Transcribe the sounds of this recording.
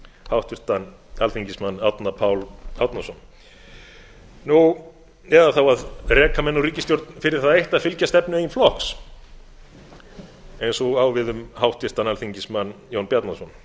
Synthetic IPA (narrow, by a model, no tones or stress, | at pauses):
hawht̪vɪr̥t̪an | alθiɲcɪsmanːawt̪napʰaːwlawt̪nasɔn | nu | ɛðaθawaðrɛːkʰamɛnːuriːcɪst̪jowɾt̪nfɪɾɪɾ̥θaðejht̪aðfɪlcast̪ɛpnʏjinflɔhks | ejnsɔaːwvɪðʏmhawht̪vɪr̥t̪analθiɲcɪsmanːjownpjat̪nasɔn